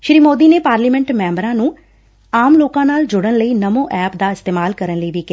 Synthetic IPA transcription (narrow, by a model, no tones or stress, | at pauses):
ʃɾiːmoːd̪iːneːpaːɾliːmɛ̃ɳʈmɛ̃ːmbəɾãːnũː | aːmloːkãːnaːld͡ʒʊɽənləiːnəmõːʔɛːpd̪aːɪst̪eːmaːlkəɾənləiːʋiːkɪa